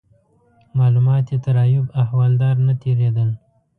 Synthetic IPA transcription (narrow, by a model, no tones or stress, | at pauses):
mɑlumɑt̪jet̪aɾɑjʊbahwɑld̪ɑɾnat̪eɾed̪əl